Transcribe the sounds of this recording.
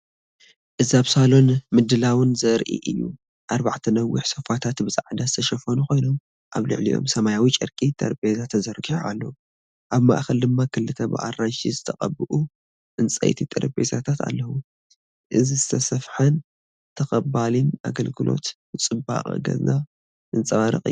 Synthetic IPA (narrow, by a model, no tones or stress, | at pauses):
ʔɨzaβsalo̞nmɨd̪ɨlawɨnzɐɾʔḭʔɨ̰jːṵ | ʔaɾbaʕt̪ʰɐnɐwiħsɐfat̪ʰat̪bɨzʼaʕd̪azɨt̪ʰɐʃɐfɐnukʰo̞jno̞m | ʔaβlɨ̰ʕlḭʔo̞̰msɐmajawit͡ʃʼɨ̰ɾkʼit̪ʼɐ̰ɾbezat̪ʰɐzɐɾɡiħaa̰lːɐwu | ʔaβma̰ʔxɐld̪ɨmːakʰɨlːɨt̪ʰɐbɨ̰ʔa̰ranʃizɨt̪ʰɐqʼɐbɨʔu | ʔɨnt͡sʼɐ̰jt̪ʰit̪ʼɐɾbḛzat̪ʰat̪ʰa̰lːɐwu | ʔɨzizɨsʰɐsɐfħan | t̪ʰɐkʼɐbalina̰ɡɐlɡɨlo̞̰t̪ | ɨt͡sʼɨba̰χʼɡɐ̰za | ɨnt͡sʼɐβaɾɨ̰qʼɨ̰jː